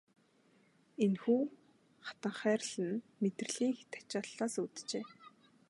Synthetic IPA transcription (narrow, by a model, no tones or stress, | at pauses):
enxuː | χḁt̪ə̆ɴχæːrɮɘ̆nmet̪rɘ̆ɮiːŋxe̥t̪æ̥kt͡ɕaɮːaːsut̪t͡ɕeː